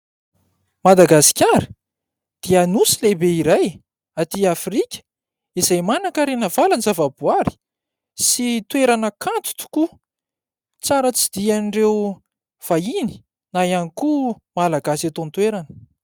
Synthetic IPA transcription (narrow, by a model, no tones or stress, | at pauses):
mad̪aɡasi̥kʲaɾi | d̪̥ianusilebeiɾaj | at̪iafrikʲə̥ | izajmanakəɾenəvalanzavabuaɾi̥ | sit̪weɾanəkʰant̪u̥t̪u̥ku | t͡saɾət͡sid̪ianɖ͡ʐew | v̥aini̥ | najaniku | malaɡasat̪ont̪weɾanə̥